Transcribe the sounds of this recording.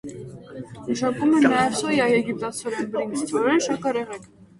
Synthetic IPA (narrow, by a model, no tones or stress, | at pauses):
məʃɑkumɛnɑjɛvsɔjɑjɛɡip̚t̪ɑt͡sʰɔɾɛnbɾiŋkst̪ʰvɔɾɛnʃɑkɑɾɛʁɛk